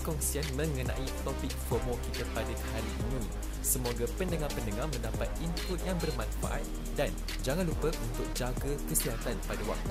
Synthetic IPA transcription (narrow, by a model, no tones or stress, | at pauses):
kɔŋsianmə̃ŋənã̰ʔit̪opɪk̚fɔmokit̪apadahaɾiːnĩ | səmoɡapəndəŋarpəndəŋamə̃ndapat̪̚impʊt̪̚jaŋbərmãnfa̰ʔa̰t̪̚ | dan | d͡ʒaŋanlupəʔunt̪ʊk̚d͡ʒaɡakəsiɦat̪anpadawa̰k̚t̪u